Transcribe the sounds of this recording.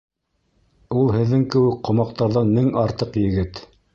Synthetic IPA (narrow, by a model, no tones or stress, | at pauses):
ulˠhɘ̆ðːɘŋkɘ̆wɘk̚qŏmɑq̚t̪ɑɾðɑnːɘŋɑɾt̪ɤqjɘ̆ɡɘt̪